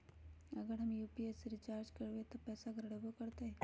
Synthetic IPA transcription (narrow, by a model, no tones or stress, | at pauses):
ɐɡəɾɦɐmjuːpiesɾɪt͡ʃaːɾd͡ʒkeɾuet̪opɛːsaɡɾɐɽebokɐɾt̪eɦɛ̃ː